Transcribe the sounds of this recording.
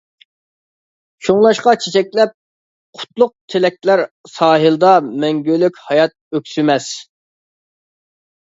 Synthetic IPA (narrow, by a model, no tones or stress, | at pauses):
ʃʰoŋlˠɑʃqɑt͡ʃʰet͡ʃʰɛkʲlɛp̚ | qʰʊ̥t̪lˠʊq̚t̪ʰelɛk̪̚ʲlæɾsɑːɦɨlˠd̪ɑmɛŋɡʲølykʲhɑjɑt̪̚økʲsymɛs